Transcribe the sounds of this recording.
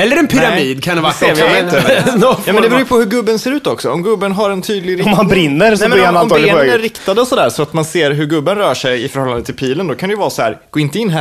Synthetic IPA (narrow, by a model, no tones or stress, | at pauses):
ɛlːəɾɛnpʰʏɾamiːd̪kʰanat̪ɔɑːmɛnd̪ɛbɾuːjpʰɔhɵɾɡɵbːənseːɾʉːt̪ɔksɔɔmɡɵbːənɦaɾɛnt̪ʰyːd̪lɪɡɾɪɔmhanbɾɪnːəɾsɛmɛanaɔmləɾɪkt̪ad̪əɔsɔd̪æːɾsɔat̪manseːɾɦɵɾɡɵbːənɾœːʂɛjɪfœɾhɔlːand̪ət̪ʰɪlpʰiːlənd̪ɔkʰand̪ɛjʏvɑːɾsɔhæ̰ːɾɡ̥oːɪnt̪əɪnːɦæ